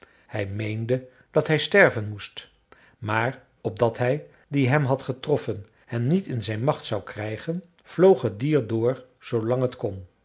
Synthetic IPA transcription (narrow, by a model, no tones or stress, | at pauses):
hɛjmejndə | d̥ɑtɦɛjstɛɹvənmust | maːr | ɔb̚dɑtɦɛj | diɦɛmɦɑtχətrɔfən | hɛnnitɪnzɛjnmɑχtsɑwkrɛjχən | v̥lowχɦət̚diːɹdʊːɹ | z̥owlɑŋɦətkɔn